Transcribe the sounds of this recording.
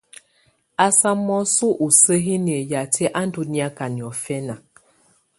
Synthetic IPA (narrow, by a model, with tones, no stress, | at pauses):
a˦sa˦mɔ˦su˦ʔu˨sə˦ɦi˦n˨e˨ja˨tʰɛ˦ʔa˦n˦du˦ni˦a˦ka˨ni˨ɔ˨fɛ˦na˨